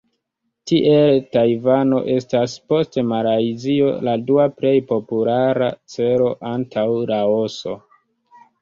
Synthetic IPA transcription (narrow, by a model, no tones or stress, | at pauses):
tiʔe̞ltajvano̞̰ʔe̞staspo̞stemaɾaizio̞̰laduaple̞jpo̞pulaɾa̰t͡se̞ɾo̞ʔantʰawɾao̞so̞